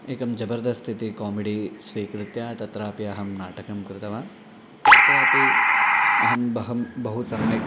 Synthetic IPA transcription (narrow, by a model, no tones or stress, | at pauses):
eːkɐmd͡ʒɐbɐɾd̪ɐst̪ʰit̪ikaːmeɖisʋiːkɾɪt̪jaːt̪ɐt̪ɾaːpiɐɦɐmnaːʈɐkɐmkɾɪt̪ɐʋaː | ɐt̪ɾaːpi | ɐɦɐmbɐɦɐmbɐɦut̪sɐmɐjk